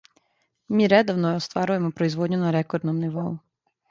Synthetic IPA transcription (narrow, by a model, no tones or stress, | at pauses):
miɾɛd̪ɔwnɔːst̪ʋɑɾʊjemɔpɾɔizʋɔdʲɲʲʊnɐɾɛkɔɾd̪nɔmnɪʋɔ